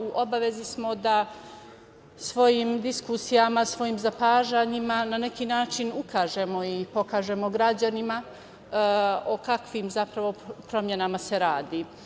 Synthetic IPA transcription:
uʔo̞baʋe̞zismo̞d̪a | sʋo̞jiːmd̪iskusijamasʋo̞jiːmzapaːʒaːɲimanane̞kiːnaːt͡ʃinukʰaːʒemo̞ipo̞kaːʒe̞mo̞ɡɾad͡ʑanima | okakʋimzapɾaʋo̞pɾo̞mje̞namase̞ɾaːd̪i

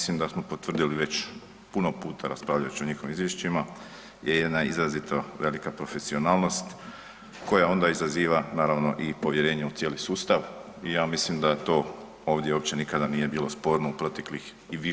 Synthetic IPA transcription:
slimd̪asmo̞po̞t̪ʋrd̪iliʋe̞t͡ɕ | puno̞puːt̪ʰaɾaspɾaːʋʎaut͡ɕio̞ɲexo̞ʋimizʋjeʃt͡ʃima | je̞jed̪naizɾazit̪oʋe̞likapɾo̞fe̞sio̞naːlˠno̞st̪ | ko̞jao̞nd̪aizaziːʋanaːɾaʋno̞ʔipo̞ʋje̞ɾe̞ːɲeut̪sjeːlisuːst̪aʋ | ijaːmislimd̪at̪o̞ː | o̞ːʋd̪jeo̞pt͡ɕe̞nikad̪anije̞biːlo̞spo̞ːɾnoupɾo̞t̪eklix | iʋi

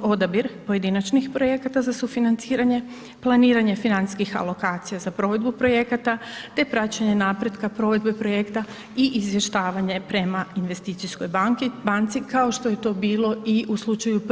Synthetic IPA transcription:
o̞d̪abiɾpo̞je̞d̪inat͡ɕnixpɾo̞je̞kat̪azasufinant̪siːɾaɲe | plˠaniːɾaɲe̞finani̥skixa̰lˠo̞kaːt̪sijazapɾo̞ʋe̞d̪bupɾo̞je̞kat̪at̪e̞pɾat͡ɕaɲe̞naːpɾed̪kapɾo̞ʋe̞d̪be̞pɾo̞je̞kt̪a | iʔizʋje̞ʃt̪aːʋaɲe̞pɾe̞mainʋe̞st̪iːt̪sisko̞jbaŋkibant̪sikao̞ʃt̪o̞je̞t̪o̞ːbiːlo̞iʔuslˠut͡ʃajup

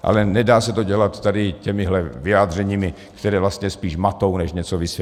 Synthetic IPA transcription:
ʔa̰lɛnɛdaːsɛt̪oɟɛlat̪ːadɪcɛmɪɦlɛvɪjaːd̪r̝ɛɲiːmɪ | kt̪ɛɾɛːvlast̪ɲɛspiːʃmat̪ownɛʃɲɛt͡sovɪsj

